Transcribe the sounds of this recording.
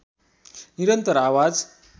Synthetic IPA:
niɾənt̪əɾaʋad͡z

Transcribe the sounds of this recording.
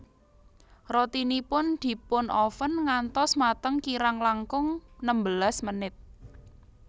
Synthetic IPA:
rot̪inipʊnd̪̥i̤pʊnʔɔfənŋant̪ɔsmat̪əŋkiɾaŋlaŋkʊŋnəmbəlasmənɪt̪̚

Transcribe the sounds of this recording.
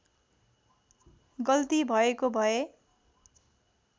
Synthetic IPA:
ɡʌlt̪ibʱʌekobʱʌe

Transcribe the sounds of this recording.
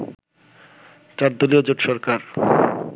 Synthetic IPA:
t͡ɕaɾd̪oliod͡ʑoʈʃɔɾkaɾ

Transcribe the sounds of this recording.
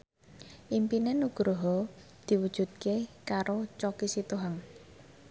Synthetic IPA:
ʔimpinenuɡ̥ɾoɦɔ | d̪̥i̤wud̥ʒ̥ṳt̪̚kekaɾot͡ʃɔkisit̪uɦaŋ

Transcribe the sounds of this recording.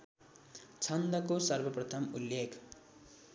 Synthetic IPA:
t͡sʰʌnd̪ʌkosʌrbʌprʌt̪ʰʌmulːekʰ

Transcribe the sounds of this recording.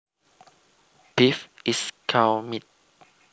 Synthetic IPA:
b̥ifiskʰawmit̚

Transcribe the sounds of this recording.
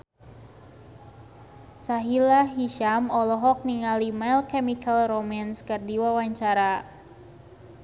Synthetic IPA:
saɦilaɦiʃamɔlɔɦɔk̚niŋalimajlkɛmikʰalromanskɨrdiwawaɲt͡ʃaɾa

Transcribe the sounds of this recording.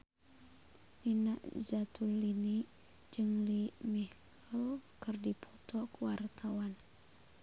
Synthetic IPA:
nina̰ʔzat̪ulːini | d͡ʒɨŋlimihk | əlkɨrdipʰɔt̪ɔkwart̪ʰawan

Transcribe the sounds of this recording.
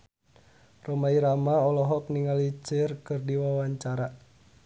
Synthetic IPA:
romaiɾamaɔlɔɦɔk̚niŋalit͡ʃərkɨrdiwawaɲt͡ʃaɾa

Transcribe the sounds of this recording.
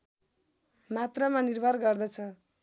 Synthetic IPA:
mat̪rʌmanirbʱʌrɡʌrd̪ʌt͡sʰʌ

